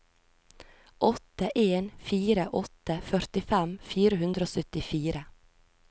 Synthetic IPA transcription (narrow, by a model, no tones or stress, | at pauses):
ʔɔt̪əʔeːnfiːɾəʔɔt̪əfœɾt̪ɪfæmfiːɾəhʉnd̪ɾoːsœt̪ɪfiːɾə